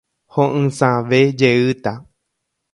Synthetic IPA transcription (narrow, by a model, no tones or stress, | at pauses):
hõʔɨ̃sãʋed͡ʒeɨt̪a